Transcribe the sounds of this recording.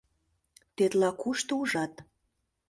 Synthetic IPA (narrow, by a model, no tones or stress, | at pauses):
t̪et̪lɑkuʃt̪ouʒɑt̪